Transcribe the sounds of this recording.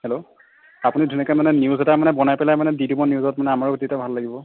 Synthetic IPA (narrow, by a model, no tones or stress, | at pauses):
hɛlo | apunidʱunikamanɛniuzɛtamanɛbɔnajpɛlajmanɛdidibɔniuzɔtmanɛamaɹutitabʱalːaɡibɔ